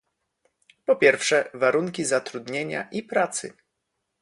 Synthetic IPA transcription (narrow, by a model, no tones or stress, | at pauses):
pɔpʲjɛɾfʂɛvaɾuŋkʲizat̪ɾud̪ɲeɲa̰ʔipɾat̪sɘ̰